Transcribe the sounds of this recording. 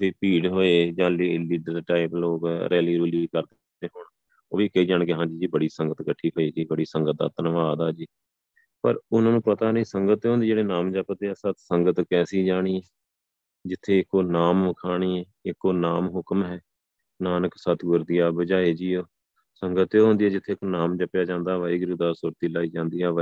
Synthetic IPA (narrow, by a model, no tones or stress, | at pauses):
t̪eːpiːɽɦoːeːd͡ʒãːliliːɖəɾʈaːɪploːɡɾʔɛːliːɾoːliːiːkəɾd̪ | eːɦʊɳ | o̰ːʋikəiːd͡ʒaːɳkeːɦãːɲd͡ʒiːd͡ʒiːbəɽiːsəŋɡət̪kəʈʰːiːɦoːiːd͡ʒiːbəɽiːsəŋɡət̪̚d̪a̰ːt̪ənəʋaːd̪aːd͡ʒiː | pəɾʊnãːnũːpət̪aːnĩːsəŋɡət̪ɦõːnd̪eːd͡ʒeːɽeːnaːmd͡ʒaːpət̪eːaːsət̪səŋɡət̪kɛːsiːd͡ʒaːɽ̃iːɛː | d͡ʒɪt̪ʰːeːɪkoːnaːmʋəkʰaːɽ̃iːɛːɪkːoːnaːmɦʊkmɦɛː | naːnəksət̪ʰɡʊɾd̪ɪjaːbəd͡ʒaːeːd͡ʒiːoː | səŋɡət̪oːɦõːnd̪iːɛːd͡ʒɪt̪ʰːeːknaːmd͡ʒəpjaːd͡ʒãːnd̪aːʋaiːɡɾuːd̪aːsuːɾt̪iːlaːiːd͡ʒãːnd̪iːɛːʋ